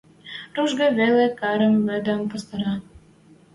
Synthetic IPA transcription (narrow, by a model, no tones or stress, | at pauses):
ruʒɡɤ̆βelekɑɾə̆mːɘ̆d̪ə̆mpŏst̪ɤ̆ɾɑ